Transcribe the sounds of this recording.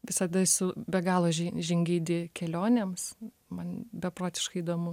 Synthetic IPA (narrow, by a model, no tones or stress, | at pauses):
ʋʲɪsɐd̪ɐsʊbʲɛɡɑːlˠoːʒʲʒʲɪŋʲɡʲiːd̪ʲɪkʲɛlʲoːnʲeːms | mɐnbʲɛpɾoːt̪ʲɪ̥ʃkɐɪid̪oːmʊ